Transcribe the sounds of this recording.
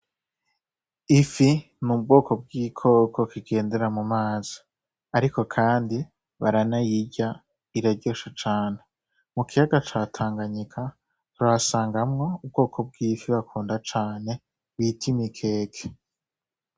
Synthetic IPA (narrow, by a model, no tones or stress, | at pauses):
ifi | nub̚ɡo̞ːko̞b̚ɡiːkʰo̞ːkʰo̞kiɡe̞ːnde̞ɾamumaːz̥i̥ | aɾiko̞kʰaːndi | βaɾanajiɟa | iɾaɟoʃat͡ʃaːne | mukʰijaɡat͡ʃaːtʰaːŋɡaɲikʰa | tɾasaːŋɡamŋo̞ub̚ɡo̞ːkʰo̞b̚ɡiːfiβakʰuːndat͡ʃaːne̞ | βitʰimikʰe̞ːkʰe̥